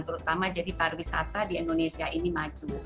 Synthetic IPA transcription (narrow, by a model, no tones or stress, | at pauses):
ŋt̪əɾut̪amad͡ʒadiparwisat̪adiɛndonesiaʔinimad͡ʒu